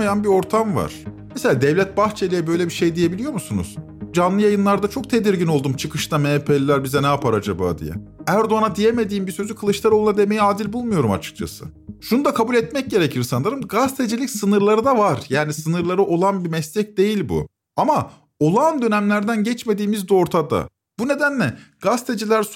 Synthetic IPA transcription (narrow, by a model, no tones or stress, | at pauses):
ajanbio̞ɾt̪ʰamva̰ɾ̥mɛseaːd̪ɛvlʲɛt̪̚baxt͡ʃʰe̞lʲijɛbø̞jlʲebiʃe̞jd̪ije̞bilʲijo̞musunṵz̥ | d͡ʒanlˠɯjajɯnlˠaɾd̪at͡ʃʰo̞k̚t̪ʰe̞d̪iɾɟino̞lˠd̪umt͡ʃʰɯkʰɯʃt̪ʰamepʰelːʲæɾbizɛnɛapʰaɾad͡ʒaba̰ːd̪ḭjɛ̰æɾd̪oanad̪ije̞me̞d̪iːmbisø̞zykʰɯlˠɯʃlˠaɾounad̪e̞me̞jiaːd̪ilʲbulˠmujo̞ɾuma̰t͡ʃʰɯ̥k̚t͡ʃʰa̰sɯ̰ʃunud̪akʰabulʲɛt̪mɛc̚ɟe̞ɾecʰiɾsanˠaɾɯmɡast̪ʰe̞d͡ʒilʲicsɯnɯɾlˠaɾɯd̪avaɾjaːnisɯnɯɾlˠaɾɯʔo̞lˠanbimɛslʲɛc̚d̪e̞jilʲbṵ | ama | o̞lˠand̪ø̞næmlʲæɾd̪ænɟɛt͡ʃme̞d̪iːmizd̪o̞ɾt̪ʰad̪a̰ | bune̞d̪ænlʲɛɡ̥ast̪ʰed͡ʒilʲæɾs